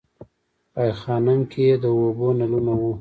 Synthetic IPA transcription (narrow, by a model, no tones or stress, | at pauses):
ajxɑnaŋked̪əobonalunawu